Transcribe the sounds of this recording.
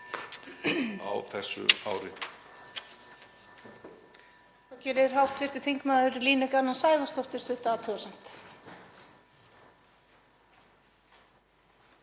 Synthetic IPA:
a̰wθɛsːʏ̰a̰ːwɾɪ | θawcɛːɾɪɾ̥ɦawht̪ʰvɪr̥t̪ʏ̥θiŋkmaːðʏɾliːnʏkanːansaːjvast̪owht̪ɪ̥st̪ʏht̪aːt̪ʰœːsam̥t̪

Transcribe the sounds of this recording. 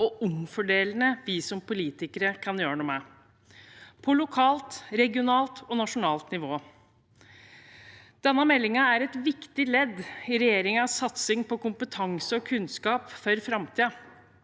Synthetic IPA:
ɔʊmfɔɖeːlənəʋɪsɔmpʊliːt̪ɪkəɾəkʰɑnjøːɾəɳuːmɛ | pʰɔlʊkʰɑːlt̪ɾɛɡɪʊnɑːlt̪ɔnɑʂʊnɑːlt̪nɪʋoː | d̪̥ɛnːəmɛlːɪŋəæɾɛt̪ʋɪkt̪ɪlɛd̪ɪɾɛjeːɾɪŋəɑsɑt̪sɪŋpɔkʊmpət̪ʰɑŋsəɔkʰʉnskɑːpfɔɾfɾɑmt̪ʰiːə

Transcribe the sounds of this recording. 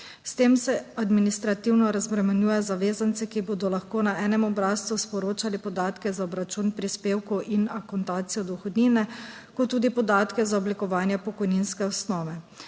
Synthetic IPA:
st̪eːmsɛad̪minist̪ɾat̪iwnɔɾazbɾɛmɛnjuːjɛzaʋeːzant̪sɛkiboːd̪ɔlaxkoːnaɛːnɛmɔbɾaːst̪uspɔɾoːt͡ʃalipɔd̪aːt̪kɛzaɔbɾat͡ʃunpɾispeːwkɔʔinakɔnt̪aːt̪sijɔd̪ɔxɔd̪niːnɛ | kɔt̪ːuːd̪ipɔd̪aːt̪kɛzaɔblikɔʋaːnjɛpɔkɔjninskɛɔsnɔːʋɛ

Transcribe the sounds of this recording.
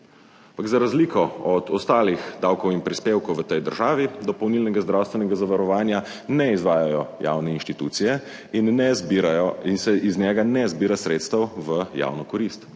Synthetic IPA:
ampaɡzaɾazliːkʰɔɔd̪ɔst̪aːlixd̪aːwkɔwinpɾispeːwkɔwʋət̪ɛjd̪əɾʒaːʋid̪ɔpɔwniːlnɛɡazd̪ɾaːwst̪ʋɛnɛɡazaʋaɾɔʋaːnja | nɛizʋaːjajɔja̰wnɛinʃt̪it̪ṵt̪sijɛ | inːɛbaɔinsɛʔiznʲɛɡanɛzbiːɾasɾeːt̪st̪ɐwʋəja̰ːwnɔkɔɾist̪

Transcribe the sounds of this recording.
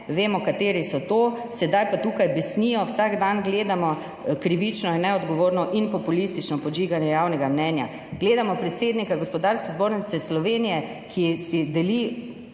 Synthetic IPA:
ʋeːmɔkat̪eːɾisɔt̪oː | sɛd̪ajpat̪uːkajbɛsniːjɔwsaɡd̪anɡleːd̪amɔ | kɾiʋit͡ʃnɔinːɛɔd̪ɡɔʋoːɾnɔʔinpɔpulist̪it͡ʃnɔpɔd͡ʒiːɡanjɛjawnɛɡamnɛnja̰ | ɡ̥leːd̪amɔpɾɛt̪seːd̪nikaɡɔspɔd̪aɾskɛzboːɾnit̪sɛslɔʋeːnijɛ | kʰisid̪ɛli

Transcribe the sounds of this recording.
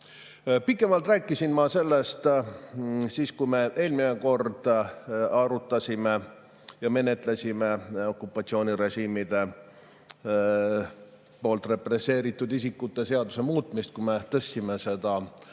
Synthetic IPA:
pikːˑe̞mɑlt̪ræːkːˑisinmɑse̞lːe̞st̪ | siːskujme̞ʔe̞ːlmineko̞rd̪̥ | ɑɾut̪ːˑɑsʲime̞ | jɑme̞ne̞t̪lesime̞o̞kːˑupːˑɑt̪sio̞ːnʲiɾe̞ʒiːmid̪̥e̞ | po̞ːlt̪ˑre̞pre̞sːe̞ːɾit̪ːˑud̪isikːut̪ːˑe̞se̞ɑd̪use̞muːt̪ˑmist̪̚kume̞t̪ɤsːime̞se̞d̪̥ɑ

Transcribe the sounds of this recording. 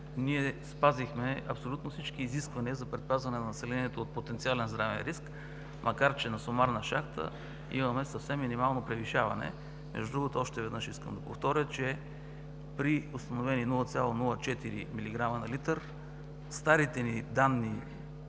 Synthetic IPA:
niɛspazixmɛɐ̰psolʲut̪nofsit͡ʃkiːziskvɐniəzɐpɾɛt̪̚pazvɐnɛnɐnɐsɛlɛniɛt̪oːt̪̚pot̪ɛnt̪sialɛnzd̪ɾavɛ̰nɾisk | mʔɐkaɾt͡ʃɛnɐsomaɾnɐʃaxt̪ʰə̰ | ḭmɐmɛsəfsɛmːinimalˠnopɾɛviʃavɐ̰nɛ̰ | mɛ̰ʒd̪ud̪ɾuɡot̪oɔʃt̪ɛvɛd̪nɤʃiskə̰md̪ɐpoft̪ɔɾʲət͡ʃɛ | pɾiʊst̪ɐnovɛniːnulˠət̪sʲalˠonulˠət͡ʃɛt̪iɾḭmiliɡɾamɐnɐlit̪əɾ | st̪aɾit̪ɛnid̪anːi

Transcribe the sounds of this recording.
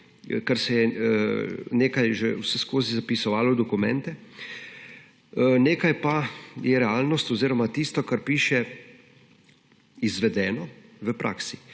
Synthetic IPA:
kɛɾsɛjɛ | neːkajʒewsɛskoːzizapisɔʋaːlɔd̪ɔkumɛ̰̃nt̪ɛ | neːkajpajɛɾɛaːlnɔst̪ɔziːɾɔmat̪ist̪ɔkaɾpiːʃɛ | izʋɛd̪ɛːnɔʋəpɾʔa̰ːksi̥

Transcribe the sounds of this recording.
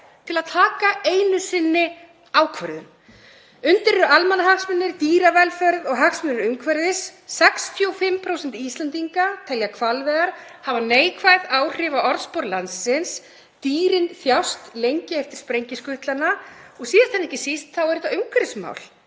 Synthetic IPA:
t̪ʰɪlaðt̪ʰaːkaeːjnʏsɪnːɪ | aːwkʰvœɾðʏ̰m | ʏnt̪ɪɾɛɾalmanaɦaksmɛnːɪɾ̥t̪iːɾavɛlfœɾðɔɣɦaksmɛnɪɾʏmkʰvɛɾðɪsːɛksθʰjoːwfɪmːpʰɾowsɛnt̪ist̪lant̪iŋkat̪ʰɛljakʰvalvɛɣaɾ̥havaneːjkʰvajðaːwr̥ɪvaʔɔɾðspɔɾlansːɪns | t̪iːɾɪnθjawst̪lejɲcɪɛft̪ɪɾ̥spɾejɲcɪskʏht̪lanaɔɣsiːðant̪ʰɛnːɛhcɪsist̪θawɛɾɪt̪aʏmkʰvɛɾsma̰ːwl

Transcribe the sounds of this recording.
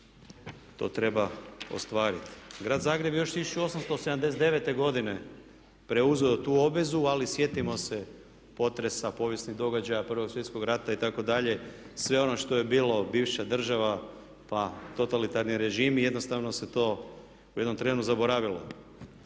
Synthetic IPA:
t̪o̞̰t̪ɾe̞bao̞̰st̪ʋaːɾit̪ɡɾaːd̪zaːɡɾe̞bjejo̞ʃsiioo̞samst̪ose̞d̪amd̪eset̪eʋe̞t̪e̞ɡo̞d̪ine̞ | pɾe̞uzeot̪uːo̞bʋe̞zualisje̞t̪imo̞se | po̞t̪ɾe̞sapo̞ʋje̞snid̪o̞ɡad͡ʑajapr̩ʋo̞ɡsʋje̞t̪sko̞ɡɾat̪ait̪ako̞d̪aʎe̞ | sʋe̞o̞no̞ʃt̪o̞jebiːlo̞biːʋʃad̪r̩ʒaʋa | pat̪o̞t̪alit̪aɾniɾe̞ʒiːmijed̪no̞st̪aʋno̞se̞t̪o̞ː | uje̞d̪no̞mt̪ɾe̞ːnuzabo̞ɾaʋilo̞̰

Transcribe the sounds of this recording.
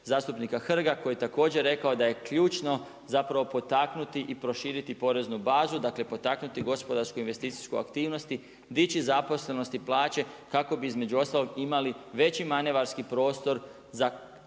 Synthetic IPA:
zaːst̪upnikaxr̩ɡako̞jet̪ako̞ːd͡ʑe̞ɾe̞kaod̪aje̞kʎuːt͡ʃno̞ | zapɾaʋo̞po̞t̪aknut̪iʔipɾo̞ʃiːɾit̪ipo̞ɾe̞znubaːzud̪akle̞po̞t̪aknut̪iɡo̞spo̞d̪aɾskoinʋe̞st̪iːt̪si̥skoja̰kt̪iːʋno̞st̪i | d̪it͡ɕizapo̞sle̞no̞st̪iplˠaːt͡ɕe̞kako̞biizme̞d͡ʑuo̞st̪alo̞ɡimaliʋe̞t͡ɕimaneʋaɾskipɾo̞ːst̪o̞ɾ | za

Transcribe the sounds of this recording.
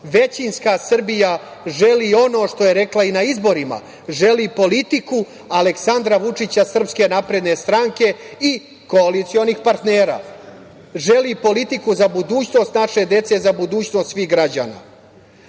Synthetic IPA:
ʋe̞t͡ɕinskasr̩bija | ʒe̞lio̞no̞ːʂt̪o̞je̞ɾe̞klainaizbo̞ɾima̰ | ʒe̞lipo̞lit̪iku | ale̞ksand̪ɾaʋut͡ʂit͡ɕasr̩pske̞napɾe̞d̪ne̞st̪ɾaŋke̞i | ko̞alit̪sio̞nixpaɾt̪ne̞ːɾa̰ː | ʒe̞liːpo̞lit̪ikuzabud̪uːt͡ɕno̞st̪naʂe̞d̪e̞t̪se̞zabud̪uːt͡ɕno̞st̪sʋiɣɡɾad͡ʑa̰ːna̰

